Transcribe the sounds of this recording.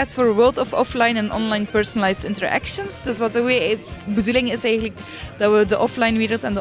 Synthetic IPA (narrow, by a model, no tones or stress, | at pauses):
ɛtfoːɹʋəːlˠtɔfɔflajnɛnɔ̰nlajnpəɹsɔnəlajstɪntəɹʔæ̰kʃənsd̥ɵsʋɑtəbədulɪŋɪsɛjɣən̩lək | d̥ɑʋədəʔɔflajnʋeːɾəlˠtɛndə